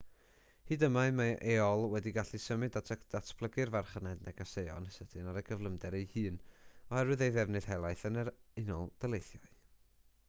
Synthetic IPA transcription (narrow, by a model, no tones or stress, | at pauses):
hɨdəmaɨmaʔeːɔlˠwɛdiɡaɬisəmɨdatʰd̥atʰb̥lˠəɡɨrvarχənɛdnɛɡasejɔ̰nəsətʰɨnaɾəɡəvlˠəmdɛɾejhɨːnɔhɛɾɨðejðɛvnɨð̥hɛlˠajθənəɾɪnɔlˠd̥əlˠejθjɔɨ